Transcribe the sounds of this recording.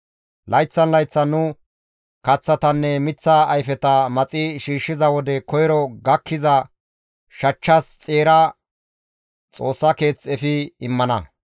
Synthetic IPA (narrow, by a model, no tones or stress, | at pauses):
lʔɐjt͡sːɐnlɐjt͡sːɐnʊ | kɐt͡sːɐt̪ɐnːɛmɪt͡sːɐːjfɛt̪ɐmɐt͡sʼɪʃiːʃːɪzɐwɔd̪ɛkɔjɾɔɡɐkʰːɪzɐ | ʃɐt͡ʃːɐst͡sʼeːɾɐ | t͡sʼo̞ːsːɐke̞ːt͡sɛfɪɪmːɐnɐ